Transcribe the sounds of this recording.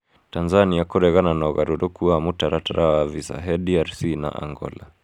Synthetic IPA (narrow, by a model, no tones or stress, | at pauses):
tanzaniakɔɾɛɣananaɣaɾɔɾɔkuamutaɾataɾawavisa̰ɦɛdiaɾsina̰ʔa̰ŋɡɔ̰la